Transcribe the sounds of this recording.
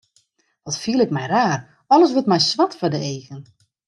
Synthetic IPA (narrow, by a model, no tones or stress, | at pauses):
ʋɔtfiəlˠɪkmɛjraːr | ɔlˠəs̬ʋətmɛjsʋatfadəeːɣən